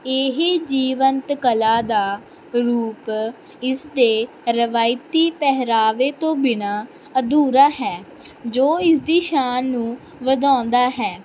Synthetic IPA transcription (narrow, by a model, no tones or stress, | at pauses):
eːɦeːd͡ʒiːʋənt̪kəlaːd̪aː | ɾuːp | ɪsd̪eː | ɾəʋaːɪt̪iːpɛɦɾaːʋeːt̪õːbɪnaː | əd̪uːɾaːɦɛː | d͡ʒoːɪsd̪iːʃaːnːũː | ʋəd̪ãːnd̪aːɦɛː